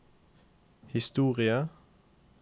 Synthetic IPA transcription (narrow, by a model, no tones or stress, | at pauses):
hɪst̪uːʁɪə